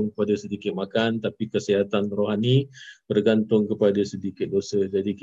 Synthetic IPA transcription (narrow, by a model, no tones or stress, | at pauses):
ŋkəpadasədikɪt̪̚makant̪apikəsəɦat̪anroɦanib̥ərɡant̪ʊŋkəpadasədikɪt̪̚dosəd͡ʒadik